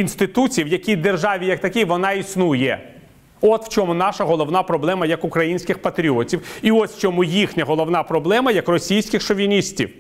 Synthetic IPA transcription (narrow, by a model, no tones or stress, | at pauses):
inst̪ɪt̪ut͡sʲiwjɐkʲid̪erʒɑʋʲijɐk̚t̪ɐkʲiʋɔnɑisnujɛ | ɔt̪wt͡ʃɔmʊnɑʃɐɦɔlˠɔwnɑpɾɔblˠɛmɐjɐkʊkɾɐjinʲsʲkʲɪxpɐt̪ɾʲiɔtʲiwiɔsʲft͡ʃɔmujixnʲɐɦɔlˠɔʋnɑpɾɔblˠɛmɐjɐkrɔsʲijsʲkʲɪxʃɔʋʲinʲisʲtʲḭw